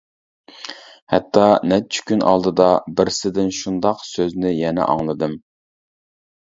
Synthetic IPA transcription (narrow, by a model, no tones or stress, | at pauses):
hɛt̪ʰːɑnɛt͡ʃʰy̥kʲynʔɑ̰lˠd̪ɨd̪ɑbɪɾsɪd̪ɪnʃund̪ɑqsøznɪjɛnɛ̰ʔɑ̰ŋlˠɨd̪ɨm